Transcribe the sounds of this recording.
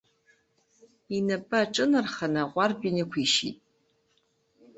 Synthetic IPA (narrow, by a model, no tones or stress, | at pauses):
inapʼaʈ͡ʂʼɨnɨrχanaqʷarbinakʷʰiʃḭtʼ